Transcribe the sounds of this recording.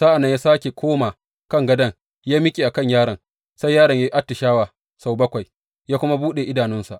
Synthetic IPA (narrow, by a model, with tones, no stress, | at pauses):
saː˦ʔa˨nːɐ˦ɲjaː˦saː˦kʲe˨kʷʰoː˦ma˨ | kɐ˦˨ŋɡɐ˦dɐ˦ŋ | jaː˦mɪ˦kʲʼeː˨ʔa˨kɐ˦˨ɲjaː˦ɾɐ˨ŋ | sa˦jjaː˦ɾɐ˨ɲja˦ʔa˦tːɪ˨ʃaː˦waː˨ | sa˨wbɐ˦kʷa˨j | jaː˦kʷʊ˦ma˦buː˦ɗe˨ʔɪ˦daː˨nʊ˦nsa˨ʔ